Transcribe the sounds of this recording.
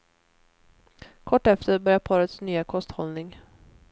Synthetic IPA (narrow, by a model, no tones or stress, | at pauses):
kʰɔʈːɛft̪əɾbœɾjapʰɑːɾət̪snyːakʰɔst̪hɔlnɪŋ